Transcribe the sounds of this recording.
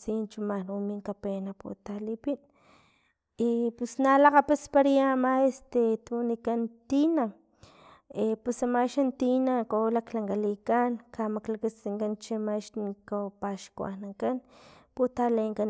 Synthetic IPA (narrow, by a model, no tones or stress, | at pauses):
t͡sint͡ʃumanumiŋkapenapṵt̪alipin | ipusnalaqapaspaɾijamaest̪et̪unikant̪ina | epusamaʃant̪inakolaklaŋkalikankamaklakat͡siŋkant͡ʃimaʃnikopaʃkṵa̰naŋkanput̪aleŋkan